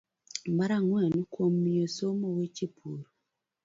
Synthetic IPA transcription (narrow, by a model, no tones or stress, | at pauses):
maɾaŋwɛnkwomːiosomowet͡ʃepʰuɾo